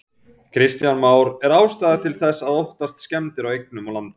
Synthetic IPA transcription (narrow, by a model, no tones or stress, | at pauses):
kʰɾɪst̪janmaːwɾɛɾaːwst̪aːðat̪ʰɪlθɛsːaðowht̪ast̪scɛmt̪ɪɾawejknʏmawlant̪ʏ̥